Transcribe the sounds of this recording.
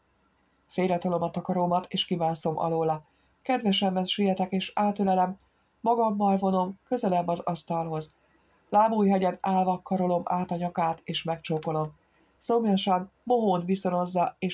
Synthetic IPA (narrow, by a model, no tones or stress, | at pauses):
feːɾɛt̪o̞lo̞mɒt̪ɒkɒɾomɒt̪eːʃkimaːnso̞mʔɒ̰loːlɒ | kɛd̪vɛʃɛmːɛnʃijɛt̪ɛkeːʃaːt̪ølɛlɛmː | ɒɡɒmːɒlvo̞no̞mkø̞zɛlɛmːɒzɒst̪ɒlɦo̞z | laːmuːjɦɛɟɛnaːlvɒkɒɾo̞lo̞maːt̪ɒɲɒkaːt̪eːʃmɛkt͡ʃoːko̞lo̞m | somjɒʃɒmmo̞ɦoːnʋiso̞no̞zːɒeː